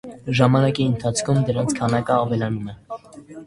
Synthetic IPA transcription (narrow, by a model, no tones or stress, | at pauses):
ʒɑmɑnɑkiənt̪ʰɑt͡sʰkʰumd̪əɾɑnt͡sʰkʰɑnɑkəɑvɛlɑnumɛ